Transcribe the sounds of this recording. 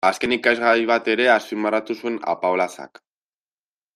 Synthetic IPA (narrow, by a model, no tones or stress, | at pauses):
aske̞nikazɣaɾjβ̞at̪e̞ɾe̞aspimbarat̪usue̞na̰paolasa̰k